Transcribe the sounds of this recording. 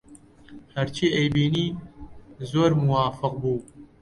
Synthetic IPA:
hɐɾt͡ʃʰiːejbiːniː | zoːɾmuwaːfɨq̚buː

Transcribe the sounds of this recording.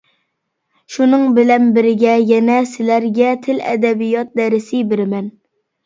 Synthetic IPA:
ʃunɨŋbɪlɛnbɪɾɪɡʲɛjɛnɛsɪlæɾɡʲɛt̪ʰɪlɛ̰d̪ɛbijɑt̪̚d̪ɛɾɪsɪbɪɾɪmɛn

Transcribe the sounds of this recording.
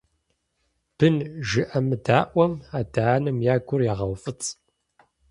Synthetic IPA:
b̥ɨnʒɨʔɐmɨdaːʔʷɐmaːdaaːnɨmjaːɡʷʊrjaːʁɐwfʼɨt͡sʼ

